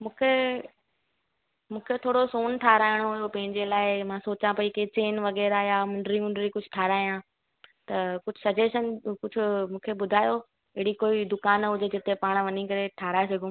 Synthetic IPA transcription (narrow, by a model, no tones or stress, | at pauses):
mũːkʰe | mũːkʰet̪ʰoːɽosoːnʈʰaːɾaːɪɽ̃oɦʊjopɐ̃ɦɪ̃ɲd͡ʑelaːɪmãːsoːt͡ɕãpɐiket͡ɕeːnʋɐɣɛːɾajamʊ̃ɳɖɾimʊ̃ɳɖɾikʊd͡ʑʱʊ̥ʈʰaːɾaːijãː | t̪ɐkʊd͡ʑʱʊsɐd͡ʑeːʃənkʊd͡ʑʱʊmũːkʰebʊd̪ʱaːjo | ɪɦɪɽikoːid̪ʊkaːnɦʊd͡ʑʱed͡ʑɪt̪epaːɽ̃ʋɐnikɐɾeʈʰaːɾaːesɐɡʱõː